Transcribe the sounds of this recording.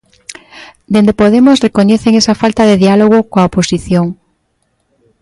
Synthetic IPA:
d̪end̪epoðemosrekoɲeθeŋesafalt̪aðeðialoɣ̞okoaoposiθjoŋ

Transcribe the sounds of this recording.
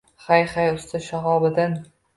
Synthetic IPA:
χajχajʊst̪ɪʃaɦɒbɪd̪ɪn

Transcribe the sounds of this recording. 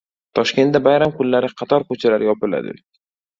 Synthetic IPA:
t̪ʰɒʃkʲe̞nt̪̚d̪abajɾamkʰʊlːaɾɪqʰɑt̪ʰɒɾkʰot͡ʃʰalaɾɪjɒpɪla̰d̪ɪ̰

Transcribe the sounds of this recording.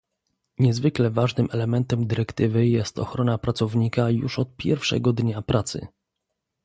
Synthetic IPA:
ɲɛzvɘklɛvaʐnɘmʔɛlɛmɛnt̪ɛmd̪ɘɾɛkt̪ɘvɘjɛst̪ɔ̰xɾɔnapɾat̪sɔvɲikajṵʂɔt̪̚pʲjɛ̰ɾfʂɛ̰ɡɔd̪ɲapɾat̪sɘ̰

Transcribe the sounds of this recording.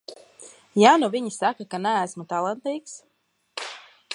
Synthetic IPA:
januvʲiɲisakakanææsmut̪alˠant̪iːks

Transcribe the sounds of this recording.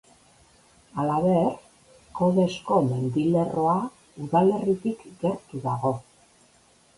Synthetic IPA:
alaβe̞r | ko̞ðe̞sko̞me̞nd̪ile̞ro̞a | uðale̞rit̪ikɡe̞ɾt̪uðaɣo̞

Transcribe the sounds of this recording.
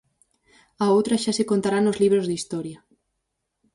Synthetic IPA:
aowt̪ɾaʃasekont̪aɾanozliβɾozðist̪ɔɾja

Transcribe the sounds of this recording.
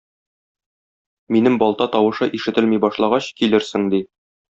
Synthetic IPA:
minɘmbɒlˠt̪ɑt̪ɒwɤ̆ʃɤʔiʃɘ̆t̪ɘ̆lmijbɒʃlˠɑʁɑɕkilɘɾsɘŋd̪i

